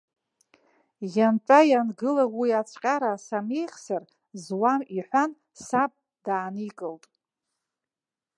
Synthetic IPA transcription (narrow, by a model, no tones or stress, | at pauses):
janʈ͡ʂʷʼajanɡɨlawiat͡sʷʰʼqʲʼaɾasame̞jχʲsar | zwamiħʷan | sapʼ | daːnikʼɨltʼ